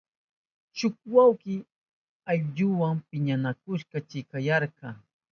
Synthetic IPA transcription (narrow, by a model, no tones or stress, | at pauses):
ʃʊk̚wawkɪ | aʎʎʊwaŋpɪɲanakʊʃqɑt͡ʃɪkajɑɾqɑː